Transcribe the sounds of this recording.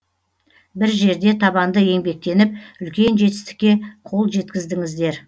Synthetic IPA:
bɪɾʒe̞ɾd̪e̞t̪ʰɑβɑnd̪əje̞ŋbe̞k̚t̪e̞nɪp̚ʏlkʲe̞nʒe̞t̪ɪst̪ɪ̥kʲːe̞qʰo̞lˠʒe̞t̪kʲɪzd̪ɪŋɪzd̪e̞ɾ

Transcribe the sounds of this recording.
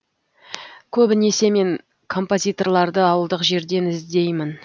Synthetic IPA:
kʲʰɵbɪne̞se̞me̞ŋ | kʰo̞mpo̞zʲijt̪o̞rlˠɑɾd̪əɑwəlˠd̪əqʒe̞ɾd̪e̞nɪzd̪e̞jmɪn

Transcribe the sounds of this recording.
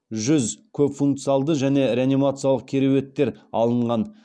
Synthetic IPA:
ʒʏzkʲʰɵpfuŋk̚t̪sɨijalˠd̪əʒæne̞ɾʲeanimat̪sɨijalˠəq̚kʲʰeɾewe̞t̪ːe̞ɾɑlˠəɴʁɑn

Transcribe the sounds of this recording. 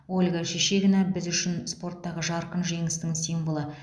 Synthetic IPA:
olʲɡaʃeʃe̞ɡʲɪnɑbɪzʏʃɪnspo̞rt̪ːɑʁəʒɑɾqənʒe̞ŋɪst̪ɪŋsijmvolˠə

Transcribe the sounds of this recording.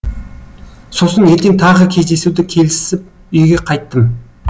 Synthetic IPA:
so̞səne̞ɾt̪e̞ŋt̪ʰɑʁəkʲʰe̞zd̪e̞suwd̪ɪkʲʰe̞lɪsɪp̚ | ʏjɡʲe̞qʰɑjt̪ːəm

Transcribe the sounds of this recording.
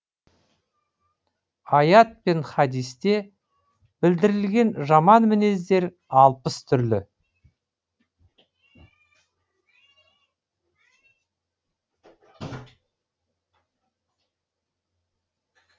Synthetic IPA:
ɑjɑt̪̚pe̞nχɑd̪ijst̪e̞ | b̥ɪld̪ɪɾɪlɡʲe̞nʒɑmɑnmɪne̞zd̪e̞ɾ | ɑlˠpəst̪ʰʏɾlɪ

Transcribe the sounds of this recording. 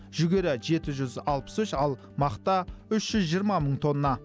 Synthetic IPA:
ʒʏɡʲe̞ɾɪʒe̞t̪ɪʒʏzɑlˠpə̥sʏʃɑlˠ | mɑqt̪ɑʏʃʒ̥ʏzʒijəɾmɑməɴt̪ʰo̞nːɑ

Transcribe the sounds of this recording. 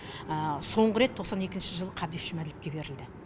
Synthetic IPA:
əso̞ɴʁəɾe̞t̪ʰːo̞qsɑne̞kʲɪnʃɪʒəlˠəqʰɑb̚d̪esʒɪmæd̪ɪlɪp̚kʲe̞be̞ɾɪld̪ɪ

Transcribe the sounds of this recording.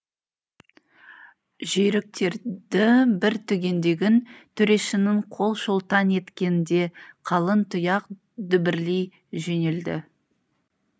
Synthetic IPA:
ʒeɾɪk̚t̪e̞ɾd̪ɪbɪɾt̪ʰʏɡʲe̞nd̪e̞ɡʲɪnt̪ʰʏɾe̞ʃɪnɪɴqʰo̞lˠʃolˠt̪ɑne̞t̪kʲenɪnd̪e̞qʰɑlˠənt̪ʰʊjɑq | d̪ʏbɪɾlej | ʒe̞ne̞ld̪ɪ̰

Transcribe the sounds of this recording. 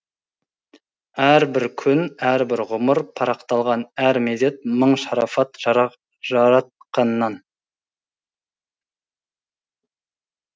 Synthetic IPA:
æɾbɪɾkʲʰʏnæɾbɪɾʁʊməɾpʰɑɾɑqt̪ɑlˠʁɑnæɾmed̪e̞t̪̚məɴʃɑɾɑfɑt̪ʒ | ʒɑɾɑt̪̚qɑnːɑn

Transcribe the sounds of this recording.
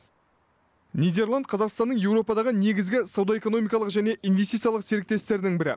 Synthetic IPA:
nʲijd̪e̞rlˠand̪̚qʰɑzɑqst̪ɑnːəɴje̞wɾo̞pɑd̪ɑʁəne̞ɡʲɪzɡʲɪsawd̪ɑe̞ko̞no̞mijkɑlˠəqʒæne̞ʔijnvʲest̪it̪sjɑlˠəqseɾɪk̚t̪e̞st̪e̞ɾɪd̪ɪŋbɪɾɪ̰

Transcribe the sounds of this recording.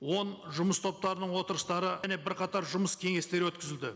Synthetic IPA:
wo̞nʒʊməst̪ʰo̞p̚t̪ɑɾənəɴwo̞t̪əɾəst̪ɑɾəne̞bɪɾqɑt̪ɑɾʒʊməskʲʰe̞ŋe̞st̪e̞ɾɪwɵt̪̚kʲɪzɪld̪ɪ

